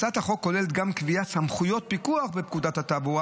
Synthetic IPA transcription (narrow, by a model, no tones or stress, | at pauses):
t͡sat̪haχo̞kːo̞lelet̪̚ɡamkviatsamχujo̞t̪̚pikuaχbep̚kud̪athatabua